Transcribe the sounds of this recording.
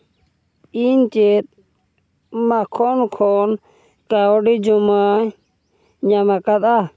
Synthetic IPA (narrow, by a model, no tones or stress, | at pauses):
int͡ʃet̪̚ | makʰɔnkʰɔn | kaɔɖid͡ʒumaɲ | ɲamakat̪a